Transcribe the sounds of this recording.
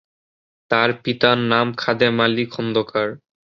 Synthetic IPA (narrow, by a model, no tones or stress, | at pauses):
t̪aɾpit̪anːamkʰad̪emalikʰɔnd̪okaɾ